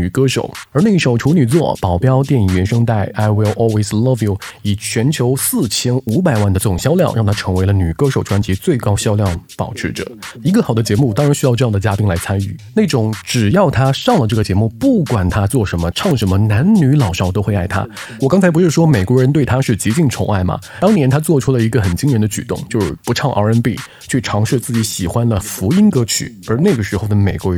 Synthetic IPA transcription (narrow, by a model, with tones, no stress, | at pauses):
ny˨˩kɤ˥ʂo̰˨˩ʊə˞˧˥na˥˧i˥˩ʂo˨˩ʊʈ͡ʂʰu˧˥ny˨˩t͡swɔ̰˥˩pɑ˨˩ʊpjɑ˥ʊt̪jɛ˥˩ni˨˩ɥɛ˧˥nʂɤ˥ŋt̪a˥˩ɪʔa˥ɪwi˧˥lʔɔ˥lwe˥˩ɪslɔ˥vi˨˧˩ʊi˨˩t͡ɕʰɥɛ˧˥nt͡ɕʰjo˧˥ʊsɹ̩˥˩t͡ɕʰjɛ˥nu˧˥p̬a˨˩ɪwa˥˩nd̪ə˩ʈ͡ʂɤ˥˩ʈ͡ʂʊ˨˩ŋɕjɑ˥ʊljɑ˥˧ŋʔɻɑ˥˩ŋt̪ʰa˥ʈ͡ʂʰɤ˧˥ŋwe˧˥ɪlə˧ny˨˩kɤ˥ʂo˨˩ʊʈ͡ʂʰwa˥nt͡ɕi˧˥t͡swe˥˩ɪkɑ˥ʊɕjɑ˥ʊljɑ˥˩ŋpɑ˨˩ʊʈ͡ʂʰɻ̩˧˥ʈ͡ʂɤ̰˨˩˦i˧˥ɡə˧xɑ˨˩ʊd̪ə˦t͡ɕjɛ˧˥mu˥˩t̪ɑ˥ŋɻa˧˥nɕy˥jɑ˥˧ʊʈ͡ʂɤ˥˧jɑ˥˩də˩t͡ɕja˥pi˥ŋla˧˥ɪt͡sʰa˥ny̰˥˩ne˥˩ʈ͡ʂʊ˨˧˥ŋʈ͡ʂɻ̩˨˩jɑ˥˩ʊt̪ʰa˥ʂɑ˥˩ŋlə˩ʈ͡ʂɤ˥˩ɡə˩t͡ɕjɛ˧˥mu˥˧pu˥˩kwa˨˩nt̪ʰa˥t͡swɔ˥˩ʂə˧˥nmə˧ʈ͡ʂʰɑ˥˩ŋʂə˧˥nmə˧na˧˥nny˧˥lɑ˨˩ʊʂɑ˥ʊt̪o˥ʊxwe˥˧ɪa˥˩ɪt̪ʰa̰˥wɔ˨˩kɑ˥ŋt͡sʰa˧ɪp̬ʂɻ̩˥˩ʂwɔ˥me˨˩kwɔ˧˥ɻə˧˥nt̪we˥˩ɪt̪ʰa˥ʂɻ̩˥˩t͡ɕi˧˥t͡ɕi˥˩ŋt͡sʰʊ̰˧˥ŋa˥˩ɪmɐ̰˩ | t̪ɑ˥ŋnjɛ˧˥nt̪ʰa˥t͡swɔ˥˩ʈ͡ʂʰu˥lə˨i˧˥ɡə˧xə˨˩nt͡ɕi˥ŋɻə˧˥nd̪ə˧t͡ɕy̰˨˩t̪ʊ̰˥˧ŋt͡ɕjo˥˧ʊʂɻ̩˥˩pu˧˥ʈ͡ʂʰɑ˥˧ŋʔɑ̰˧ɛ˥npi˥˩ | t͡ɕʰy˥˩ʈ͡ʂʰɑ˧˥ŋʂɻ̩˥˧t͡sɹ̩˥˩t͡ɕi˧˥ɕi˨˩xwa˥nlə˨fu˧˥i˥nkɤ˧˥t͡ɕʰy̰˨˩˦ə˞˧˥na˥˩ɡə˩ʂɻ̩˧˥xo˥˩ʊd̪ə˩me˨˩ɪkwɔ˧˥